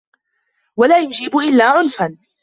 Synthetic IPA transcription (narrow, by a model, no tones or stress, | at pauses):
walaːjʊd͡ʒiːbʊʔɪlːaːʕʊnfan